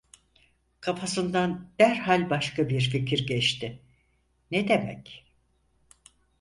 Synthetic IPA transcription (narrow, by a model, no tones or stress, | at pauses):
kʰafʰasɯnd̪and̪̥æɾhalʲbaʃkʰabiɾficʰiɾɟɛt͡ʃt̪ʰɪ | ned̪emɛ̰c